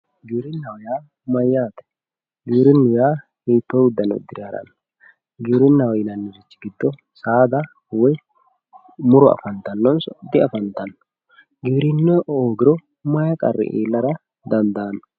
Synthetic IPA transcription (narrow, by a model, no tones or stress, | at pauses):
ɡiːɾɪnːɐwɔjaː | mɐjːaːt̪ɛ̥ | ɡiːɾɪnːʊjaː | hiːt̪ːɔʊd̪ːɐnɔ̰d̪ɪɾaɾɐ̰nː | ɡiːɾɪnːɐwɔjɪnɐnːɪzɪt͡ʃːɪ̥ɡɪd̪ːɔ | saːd̪ɐ | wɔj | mʊɾɔɐ̰fɐnt̪ɐnːɔnsɔd̪ɪɐfɐnt̪ɐnːɔ | ɡiːɾɪnːɛʔoːɡɪɾɔ | mɐjɐkʼɐ̰rːɛ̰ʔḛːlːɐɾɐ | d̪ɐnd̪aːnːɔ